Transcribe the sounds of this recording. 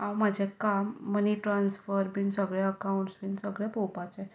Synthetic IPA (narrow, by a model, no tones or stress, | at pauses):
awmad͡ʑʱekamːəniʈɾansfəɾbʱinsəɡɭɛəkauɳʈsbinsəɡɭɛpopat͡ɕe